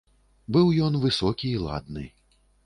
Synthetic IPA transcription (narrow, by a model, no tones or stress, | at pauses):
bɨwjɔnvɨsɔkʲiːlˠa̰d̪̚nɨ̰